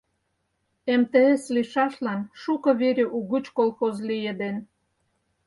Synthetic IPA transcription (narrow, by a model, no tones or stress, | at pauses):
emt̪eesliʃɑʃlɑnʃukɤ̆βeɾʲeʔuɣut͡ɕkolxozlijĕd̪en